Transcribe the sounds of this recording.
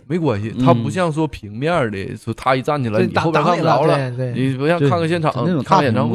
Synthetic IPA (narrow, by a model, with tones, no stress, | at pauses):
me˧˥ɪkwa˧˩nɕi˧˥˦t̪ʰa˥pu˧˥ɕ̬jɑ˥˩ŋʂ̬wɔ˥pʰi˧˥ŋmja˥˩ə˞˧˥jɛ̰˨˧˩t̪ʰa˥i˧˥t͡sa˥˩nt͡ɕʰi˨˩la˧ɪni˨˩o˧˥˩pkʰm˩ɑ˧˩˥ʊlə˨˧ni˨˩pu˧˥ɕjɑ˥˧kʰa˥˩ŋɡə˩ɕjɛ˥˩nʈ͡ʂʰɑ˨˧˩ŋni˧˩kʰa˥ŋ˩ɛ˨˩nʈ͡ʂʰɑ˥